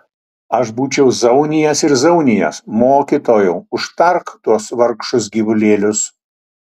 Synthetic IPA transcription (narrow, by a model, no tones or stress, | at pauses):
ɐʃbuːt͡ʃʲɛʊzɐʊnʲɪjɛsɪɾzɐʊnʲɪjɛ̰smoːkʲit̪oːjɛʊʊʃt̪ɐɾkt̪uɔsʋɐɾkʃʊsɡʲiʋʊlʲeːlʲʊs